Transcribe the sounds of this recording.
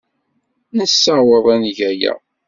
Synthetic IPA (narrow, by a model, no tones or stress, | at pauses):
nəsːəwəðˤænʝæjæ̰